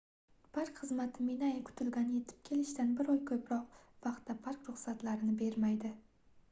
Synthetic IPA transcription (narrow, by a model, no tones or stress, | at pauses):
pʰaɾkχɨzmat̪ʰɪminajakʰʊ̥t̪ʰɪlɡʲanje̞t̪ʰɪ̥p̚kʲʰe̞lɪʃt̪anbɪɾɒjkʲʰɵpɾɒq̚vɑqt̪ːapʰaɾkɾʊχsat̪laɾɪnɪbe̞ɾmajd̪ɪ